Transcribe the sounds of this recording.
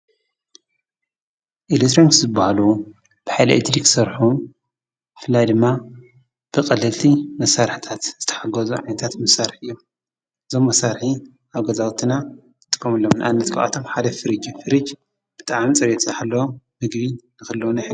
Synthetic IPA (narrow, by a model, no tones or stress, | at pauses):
ʔelet̪ʰɾonikzɨbahalu | b̥ɨħajlɐ̰ʔḛt̪ɾiksɐɾħu | ɨfɨlːajd̪ɨmːa | b̥ɨkʼɐlɨlt̪ʰimɐsaɾħt̪ʰat̪z̥ɨt̪ʰɐ̥ħaɡɐzuʕajnɐt̪ʰat̪mɐsaɾħɨjːo | ɨzo̞mːɐsːaɾħi | ʔaβɡɐzawt̪ʰina | nɨt̪ʼɨ̥kʼːɐmɨlːomnɨʔa̰nːɐt̪kʰaʔa̰t̪ʰomħad̪ɐfɨɾɨd͡ʒifɨɾɨd͡ʒ | b̥ɨt̪ʼaʕmit͡sʼɐβet̪ʰɨħalːɐwomɨɡbinɨxɨlːownɐħ